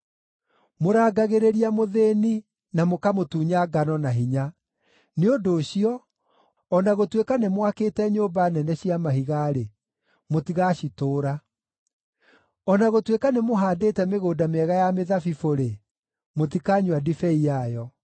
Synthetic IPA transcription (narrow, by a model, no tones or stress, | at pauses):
moɾaːɡaɣeɾeɾiamoðeːni | namokamotuːɲaɡanɔnaɦiɲa | neodoːɕiɔ | ɔnaɣotwekanemwakeːtɛɲoːbanɛnɛɕiamaɦiɣaɾe | motiɣaɕitoːɾa | ɔnaɣotwekanemoɦaːdeːtɛmeɣoːdameɛɣajameðafifoɾe | motikaɲwadifɛiajɔ